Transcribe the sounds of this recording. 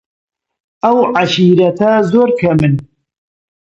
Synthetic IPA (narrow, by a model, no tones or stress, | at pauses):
ʔɐwʕaʃiːɾɐt̪ʰɐzoːɾkʰɐmɨn